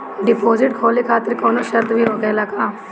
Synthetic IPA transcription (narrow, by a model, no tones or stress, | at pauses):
ɖɪpoːzɪʈkʰoːleːkʰaːt̪əɾkoːnõːʃəɾd̪ʋiːɦoːɡeːlaːkaː